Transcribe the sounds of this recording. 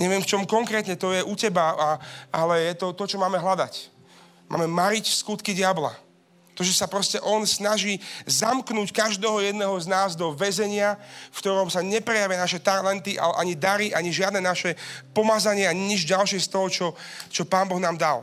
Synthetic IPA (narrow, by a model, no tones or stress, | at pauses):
ɲɛʋɪɛmft͡ʃɔmkɔŋkɾɛːt̪ɲɛt̪ɔjɛʔucɛbaaalɛjɛt̪ɔt̪ɔt͡ʃɔmaːmɛɦlad̪a̰c | ma̰ːmɛmaɾicskut̪kiɟɪabla̰ | t̪ɔʒɛsapɾɔscɛʔɔnsnaʒiːzamknuckaʒd̪ɛːɦɔjɛd̪nɛɦɔznaːzd̪ɔʋɛzɛɲɪafkt̪ɔɾɔmsaɲɛpɾɛjaʋɪanaʃɛt̪aɾlɛnt̪iʔa̰lɛʔaɲid̪aɾiʔaɲiʒɪad̪nɛnaʃɛpɔmad͡zaɲɪɛaɲiɲid͡ʒɟalʃɪɛst̪ɔɦɔt͡ʃɔt͡ʃɔpaːnbɔɣnaːmd̪al